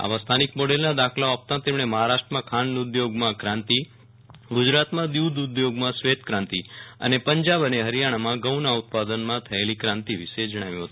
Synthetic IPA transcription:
a̰ʋast̪ʰanik̚mɔɽelnad̪akʰlaap̚t̪ãt̪emɽ̃eməɦaɾaʃʈɾəmãkʰanːud̪joɡmãkɾãnt̪i | ɡud͡ʒɾat̪mãd̪juwd̪ʊd̪joɡmãsʋet̪kɾãnt̪iə̰nepəɲd͡ʒabəneɦəɾijaɽ̃amãɡəwnaut̪̚pad̪ənmãt̪ʰəelikɾãnt̪iʋiʃed͡ʒəɽ̃aʋjũɦət̪uu

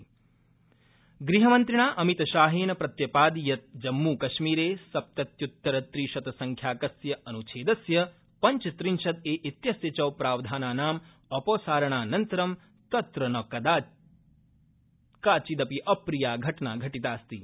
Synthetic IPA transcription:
ɡɾiɦɐmɐnt̪ɾiɳaːʔɐmit̪ɐʃaːɦeːnɐpɾɐt̪jɐpaːd̪ijɐt̪̚d͡ʒɐmːuːkɐʃmiːɾeːsɐp̚t̪ɐt̪jut̪ːɐɾɐt̪ɾiːʃɐt̪ɐsɐŋkʰjaːkɐsjɐʔɐnut͡ʃʰeːd̪ɐsjɐ | pɐɲt͡ʃɐt̪ɾinʃɐt̪eːʔit̪jɐsjɐt͡ʃɐwpɾaːʋd̪ʱaːnaːnaːm | ɐpoːsaːɾɐɳaːnɐnt̪ɐɾɐm | t̪ɐt̪ɾɐnɐkɐd̪a | kaːt͡ʃid̪ɐpiʔɐpɾijaːɡʱɐʈɐɳaːɡʱɐʈit̪aːst̪i

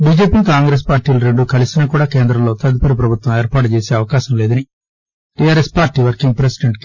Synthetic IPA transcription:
biːd͡ʒeːpiːkaːŋɡɾeːs̬paːɾʈiːlɐɾeɳɖukɐlisinaːkuːɽaːke̞ːnd̪ɾɐmlo̞ːt̪ɐd̪upɐɾipɾɐbʱut̪ʋɐmeːɾpaːʈ̬ut͡ʃeːseːɐʋɐkaːʃɐmleːd̪ɐni | ʈijaːɾespaːɾʈːiːʋɐɾkiŋɡ̚pɾesi̥ɖeɳʈ̚ki

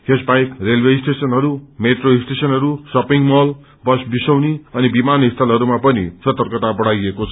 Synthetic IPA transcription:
kesbajkrelbeisʈesʌnɦʌɾumeʈroisʈesʌnɦʌɾusʌpiŋmʌl | bʌsbisʌwniʌnibimanɦist̪ʰʌlɦʌɾumapʌnḭsʌt̪ʌrkʌt̪abʌɽ̤ajekot͡sʰʌ

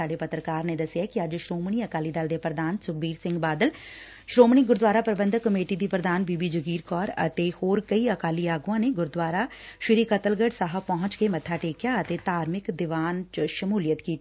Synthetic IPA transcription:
aːɖeːpət̪ɾəkaːɾneːd̪əsɪjaːkiəd͡ʒʃɾoːmɳiːəkaːliːd̪əld̪epɾəd̪aːnsʊk̚biːɾsɪ̃ŋɡbaːd̪əl | ʃɾoːmɳiːɡʊɾd̪ʋaːɾaːpɾəbənd̪kːəmeːʈiːd̪iːpɾəd̪aːnbiːbiːd͡ʒəɡiːɾkɔːɾə̰t̪ehoːɾkəiəkaːliaːɡuãːneːɡʊɾd̪waːɾaːʃɪɾiːkət̪əlɡəɖsaɦəpɔɦʊ̃t͡ʃkeːmət̪ʰːaːʈeːkjaːət̪eːt̪aːɾmɪkd̪ɪʋaːnt͡ʃʃəmuːlɪjət̪kiː

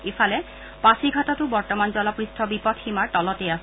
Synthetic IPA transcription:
ifʰalɛ | pasiɡʱatatʊbɔɹtɔmanzɔlapɹistʰɔbipɔtximaɹtɔlɔtɛjas

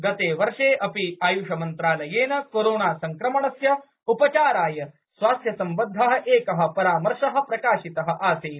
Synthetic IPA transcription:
ɡɐt̪eːʋɐɾʂeːʔɐpiaːjuʂɐmɐnt̪ɾaːlɐjeːnɐkoːɾoːɳaːsɐŋkɾɐmɐɳɐsjɐ | upɐt͡ʃaːɾaːjɐ | sʋaːst̪jɐsɐmbɐd̪ʱːɐɦɐ̆ʔeːkɐɦɐ̆pɐɾaːmɐɾʂɐɦɐ̆pɾɐkaːʃit̪ɐɦɐ̆ʔaːseː

